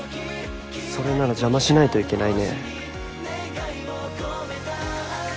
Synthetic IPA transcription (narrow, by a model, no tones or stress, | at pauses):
so̞ɾe̞naɾad͡ʑamaɕinait̪o̞ike̞naine̞̰